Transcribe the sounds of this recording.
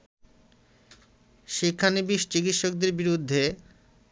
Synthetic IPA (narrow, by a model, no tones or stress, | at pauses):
ʃikʰːanibiʃt͡ɕikit̪ʃok̚d̪eɾbiɾud̪ʱːe